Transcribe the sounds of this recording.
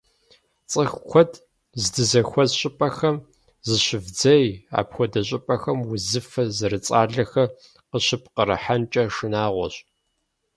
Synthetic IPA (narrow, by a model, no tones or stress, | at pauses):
t͡sʼɨxkʷɔdʰ | zdɨzɐxʷɔzɕʼɪpʼɐxɐm | zɨɕɪvd͡zɐja̰ːpxʷɔdɐɕʼɪpʼɐxɐmwʊzɨfɐzɨɾɨt͡sʼaːɮɐxɐ | qəɕɨp̚ʰqəɾɨ̰ħant͡ʃʼɐʂɨnaːʁʷɔ̰ɕʼ